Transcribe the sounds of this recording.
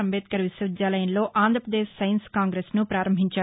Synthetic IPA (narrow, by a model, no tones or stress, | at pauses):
ɐmbeːt̪̚kɐɾʋisɐʋid̪jaːlɐjɐnlo̞ːʔaːnd̪ʱɾpɾɐd̪eːʃːɐjɐnskaːŋɡɾeːsnupɾaːɾɐmbʱiɲt͡ʃaː